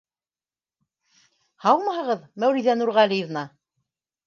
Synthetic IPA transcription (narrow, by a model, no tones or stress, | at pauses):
hɑw̪ˠmɑɦɤ̆ʁɤðmæwɾiðænuɾʁælʲijɘ̆vnɑ